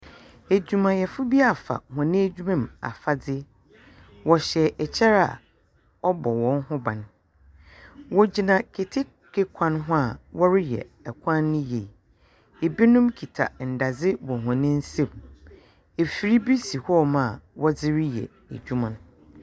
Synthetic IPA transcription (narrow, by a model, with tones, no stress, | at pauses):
æ˨d͡ʑᶣu˨mã˨jɛ˨fʊ˦bi˦a˦˨fa̰˨hɔ̃˨nɪ̃˦æ˦d͡ʑᶣu˦mã˦˨ma̰˨fa˦d͡zɪ˦ | wɔ˨ɕɛ˨ʔɛ˨t͡ɕʰɛ˦ɾa̰˨ | ɔ˦bɔ˨wɔ̃˦nhʊ̃˦bã˨n | wɔ˦d͡ʑi˨nã˨kʰe˨tʰɪ˦ | kʰe˦kʷʰã˦nɦʊ̃˦a˨wɔ˦ɾɪ˦jɛ̰˨ɛ˨kʷʰã˦nːʊ̃˦je˨ | e˨bi˦nʊ̃˦mkʰi˨tʰa̰˨n̩˨da˨d͡zɪ˦wɔ˨ɦɔ̃˨nɪ̃˦n̩˦sẽ˦˨m | e˨fi˨ɾi˦bi˦si˨hɔ˦mã˨wɔ˦d͡zɪ˦ɾɪ˦jɛ̰˨ | æ̰˨d͡ʑᶣu˦mã˨n˦